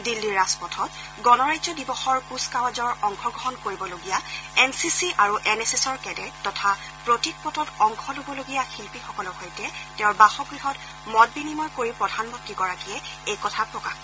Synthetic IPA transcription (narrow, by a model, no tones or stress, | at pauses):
dilːiɹaspɔtʰɔt | ɡɔnɔɹajzɔdibɔxɔɹkuskawazɔɹɔŋkʰɔɡɹɔɦɔnkoɹibɔloɡijaɛnsisiʔaɹuʔɛnɛsɛsɔɹkɛdɛtɔtʰa | pɹotik̚pɔtɔtɔŋkʰɔlobɔloɡijaxilpixɔkɔlɔhɔjtɛtɛʊɹbaxɔɡɹiɦɔt | mɔt̚binimɔjkoɹipɹɔdʱanmɔntɹiɡɔɹakijɛejkɔtʰapɹɔkax